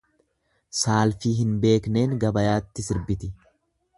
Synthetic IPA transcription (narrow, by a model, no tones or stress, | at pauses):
saːlfiːɦɪnbe̞ːkne̞ːŋɡɐbɐjaːt̪ːɪsɪɾbɪt̪ɪ